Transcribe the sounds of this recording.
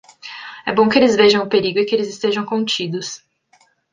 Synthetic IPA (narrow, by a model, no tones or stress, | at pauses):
ɛbõw̃kɪelɪzveʒɐ̃w̃ʊpeɾiɡʊɪkɪelɪzɪst̪eʒɐ̃w̃kõt͡ʃid̪ʊs